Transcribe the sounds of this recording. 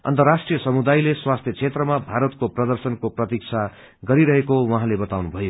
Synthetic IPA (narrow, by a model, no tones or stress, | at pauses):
ʌ̰nt̪ʌrasʈrijʌsʌmud̪ajleswast̪ʰjʌt͡sʰet̪rʌmabʱaɾʌt̪̚koprʌd̪ʌrsʌnkoprʌt̪ik̚t͡sʰa | ɡʌɾiɾʌɦekowʌɦãlebʌt̪awnubʱʌjo